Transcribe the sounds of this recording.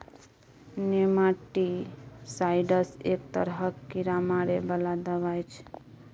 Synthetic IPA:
nemaʈisajɖəsek̚t̪əɾɦəkːiɾamaɾebəlad̪əβajt͡ʃʰ

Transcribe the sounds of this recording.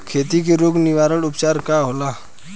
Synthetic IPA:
kʰeːt̪ikeɾoːɡnɪʋaːɾəɽʊpt͡ʃaːɾkaɦoːlaː

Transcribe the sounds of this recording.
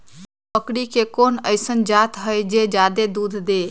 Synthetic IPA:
pəkɽikekonəjsənd͡ʒat̪ɦəjd͡ʒed͡ʒad̪ed̪ud̪ʱd̪e

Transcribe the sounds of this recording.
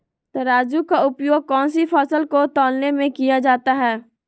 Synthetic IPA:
t̪ɐɾaːd͡ʒukaʊpjoːɡ̚kɔ̃ːnsipʰɔːsəlkot̪ɔːlnemẽkijad͡ʒaːt̪aɦɛː

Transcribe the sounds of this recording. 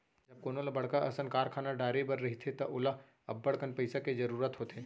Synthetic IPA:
d͡ʒɐb̚koːnolabɐɽ̤kaʔɐsənkaːɾkʰaːnaɖaːɾebɐɾːɐɦit̪ʰet̪ɐʔʊla | ɐ̰bːɐɽkənpɐɪsakezɐɾuːɾət̪ɦoːt̪eː

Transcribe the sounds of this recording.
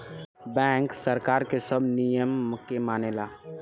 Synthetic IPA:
bɛ̃ːŋksəɾkaːɾkesəbʱnijəmkemaːnelaː

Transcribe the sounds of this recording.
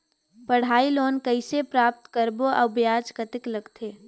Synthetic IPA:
pəɽ̤aːiloːnkəɪsepɾaːp̚t̪kəɾboʔəbjaːd͡ʒkət̪ɪkləɡt̪ʰeː

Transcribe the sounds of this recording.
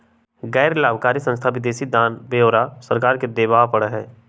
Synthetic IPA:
ɡɛːɾlaːbkaːɾisə̃nst̪ʰaʋɪd̪eːsid̪ãːnbeːoːɾasəɾkaːɾked̪eːbaːpɐɽəɦɛː

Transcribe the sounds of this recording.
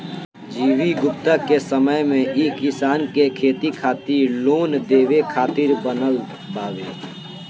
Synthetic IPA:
d͡ʒiːwiɡʊpt̪akesəməjmẽʔeːkɪsaːnkekʰeːt̪ikʰaːt̪iɾloːnd̪eːʋekʰaːt̪ɪɾbənəl | baːʋeː

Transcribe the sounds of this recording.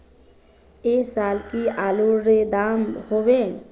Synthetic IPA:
esaːlkialuɾɾed̪aːmhobe

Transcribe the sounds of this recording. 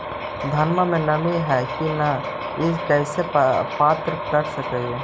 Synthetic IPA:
d̪ʱɐnməmẽnɐmeɦɛkinɐ | ɪskɛːsepaːt̪ɾəkɐɾsəkee

